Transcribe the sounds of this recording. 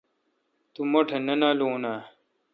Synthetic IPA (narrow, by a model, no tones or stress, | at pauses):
t̪umoʈʰenɐnaːloːna